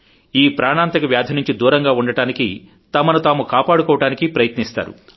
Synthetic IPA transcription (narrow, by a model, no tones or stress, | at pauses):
iːpɾaːɳaːnt̪ɐkɐʋjaːd̪ʱɐnuɲt͡ʃid̪uːɾɐŋɡaːuɳɖɐʈaːniki | t̪ɐmɐnut̪aːmukaːpaːɽukɔːʋɐʈaːnikipɾɐjɐt̪nist̪a̰ːɾṵ